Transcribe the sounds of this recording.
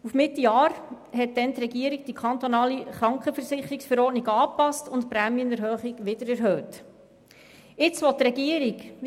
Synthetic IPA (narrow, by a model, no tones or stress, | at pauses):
ufmɪt̪ːijɑːɾ | hɛt̚d̥̪ɛnt̪ɾɛɡiəɾiɡ̚d̥ikʰɑnt̪ɔnɑːliχɾɑŋkχəfəɾsɪχːəɾɪksfəɾɔːtniɡɑːpɑstʊntpɾæːmjənɛɾɦœːχiɡʋɪd̪əɾæɾɦœːt | ɪt͡sʋɔt̪ːɾɛɡiəɾiɡ